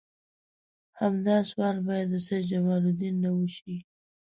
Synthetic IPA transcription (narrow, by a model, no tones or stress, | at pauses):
hamd̪ɑswɑɾbɑjad̪əsed͡ʒamɑlud̪inːawəʃi